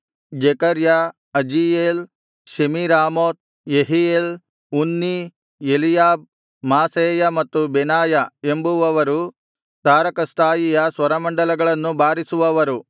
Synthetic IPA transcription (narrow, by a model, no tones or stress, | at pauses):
d͡ʒɛkɐɾja | ɐd͡ʒijeːl | ʃemiɾaːmoːt̪̚ | jeɦijeːl | unːi | elijaːb̚ | maːseːjɐmɐt̪ːubɛnaːjɐe̞mbuʋɐʋɐɾu | t̪aːɾɐkɐst̪ʰaːjijɐsʋɐɾɐmɐɳɖɐlɐɡɐɭɐnːubaːɾisuʋɐʋɐɾu